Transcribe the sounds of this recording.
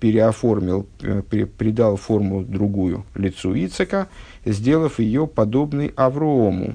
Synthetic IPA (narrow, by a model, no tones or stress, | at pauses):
pʲɪɾʲɪɐformʲɪlˠɪpʲɾʲɪd̪alˠfo̞rmʊd̪ɾʊɡujʊ̰lʲɪt̪suit̪sɨkə | zʲdʲe̞lˠəfjɪjopɐd̪o̞bnɨjɐvɾʊomʊ̰